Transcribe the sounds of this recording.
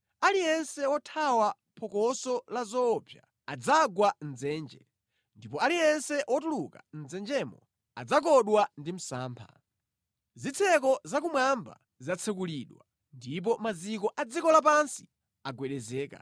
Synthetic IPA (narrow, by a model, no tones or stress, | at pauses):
alijɛnsɛwɔtʰawa | pʰɔkɔsɔlazɔːpʰja̰ | ad͡zaɡwan̩d͡zɛːnd͡ʒɛ | ndipɔalijɛnsɛʔɔtuluka̰n̩d͡zɛnd͡ʒɛmɔ | a̰d͡zak̬ɔɗwandim̩sa̰ːmpʰa̰ | zit͡sʰɛk̬ɔzakumwamba̰ | zat͡sʰɛk̬uliːɗwa | ndip̬ɔmazikɔʔad͡zikɔlap̬ansi̥ | aɡwɛɗɛzɛːka̰